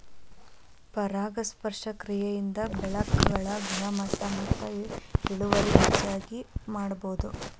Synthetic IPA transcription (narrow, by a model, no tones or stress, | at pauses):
pɐɾaːɡɐspɐɾʂɐkɾijɐjind̪ɐbɛɭɐkːɐɡɐɭɐɡɐnɐmɐt̪ːɐmɐt̪ːɐiɽuʋɐɾiit͡ʃːaːɡimaːɽɐboːud̪u